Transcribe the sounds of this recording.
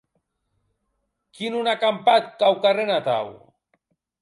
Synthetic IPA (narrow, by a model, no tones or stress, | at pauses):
kinunakampat̪̚kawkarenat̪a̰w